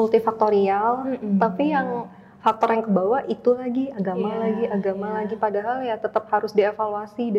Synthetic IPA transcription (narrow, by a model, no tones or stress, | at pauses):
ult̪ifak̚t̪oɾialm̩t̪apijaŋ | fak̚t̪ɔɾjaŋkəbawait̪ulaɡiaɡamalaɡiʔaɡamalaɡipadaɦaljat̪ət̪əp̚haɾʊsdiefaluasid